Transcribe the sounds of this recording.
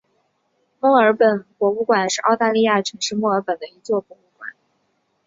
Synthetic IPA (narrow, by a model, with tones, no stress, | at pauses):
mwɔ˥˩ə˞˧˥pə˨˩nkwɔ˧˥u˥˩kwa˨˩nʂɻ̩˥˧ʔɑ˥˧ʊt̪a˥˧li˥˧ja˥˩ʈ͡ʂʰɤ˧˥ŋʂɻ̩˥˧mwɔ˥˩ə˞˧˥pə˨˩nd̪ə˦i˧˥t͡swɔ˥˩kwɔ˧˥u˥˩kwa̰˨˩˦n